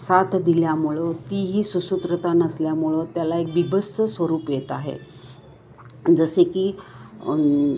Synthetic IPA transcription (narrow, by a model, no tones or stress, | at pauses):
sat̪ʰd̪iljamuɭət̪iɦiːsusut̪ɾət̪anəsljamuɭət̪jalaek̚bibəsəsʋəɾuːpjet̪aɦḛ | d͡zəsekiː